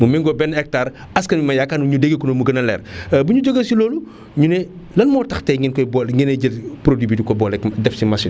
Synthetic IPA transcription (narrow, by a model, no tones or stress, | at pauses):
mumiŋɡɔbɛnɛk̚taɾ | ɐskɐnmimɐjakanɲudeɡekunomuɡɐnɐlɛ̰ːrbuɲud͡ʒoɡɐsiloːlu | ɲunɛ | lɐlmɔːtɐxtɛŋɡinkɔjbɔŋɡinɐɟɐtpɾodibitikɔbɔlɛkdɛfsimɐsin